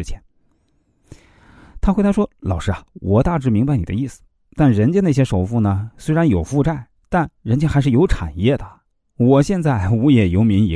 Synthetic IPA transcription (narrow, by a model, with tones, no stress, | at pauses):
t͡ɕʰjɛ˧˥n | t̪ʰa˥xe˧˥ɪt̪ʰa˥ʂwɔ˥lɑ˨˩ʊʂɻ̩˥˩ɐ˨wʔɔ˨˩t̪a˥˧ʈ͡ʂɻ̩˥˩mi˧˥ŋba˧ɪni˨˩d̪ə̰˦i˥˩sɹ̩̥˨˩ | t̪a˥˩nɻə˧˥nt͡ɕjɛ˥na˥˩ɕjɛ˥ʂo˨˩ʊfu˥˩nə˩swe˥ɪɻa˧˥njo˨˩ʊfu˥˧ʈ͡ʂa˥˩ɪ | t̪a˥˩nɻə˧˥nt͡ɕjɛ˥xa˧ɪʂɻ̩˥˩jo˧˥ʊʈ͡ʂʰa̰˨˩njɛ˥˩d̪ə˩ | wɔ˨˩ɕjɛ˥˧nt͡sa˥˩ɪu˧˥jɛ˨˩jo˧˥ʊmi˧˥ŋ˧˥